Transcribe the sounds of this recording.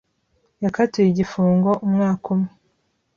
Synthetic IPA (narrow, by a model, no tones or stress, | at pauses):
jakatujiɟifuːŋɡo̞ʔumŋaːkʰumŋe